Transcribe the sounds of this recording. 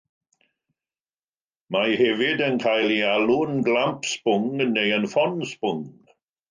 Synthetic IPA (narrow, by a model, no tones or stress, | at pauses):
majhɛvɪdənkʰajlialʊnɡlampʰspʊŋnejənfɔnspʊŋ